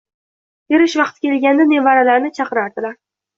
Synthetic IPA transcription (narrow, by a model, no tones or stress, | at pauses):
eɾɪʃvɑqt̪kʲe̞lɡʲand̪anevaɾalaɾnɪt͡ʃʰɑqɨɾaɾd̪ɪlaɾ